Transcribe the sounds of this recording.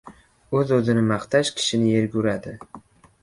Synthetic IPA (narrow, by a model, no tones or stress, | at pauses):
ɵzɵzɪnɪmɑχt̪ʰaʃkʲʰɪ̥ʃɪnɪje̞ɾɡʲuɾad̪ɪ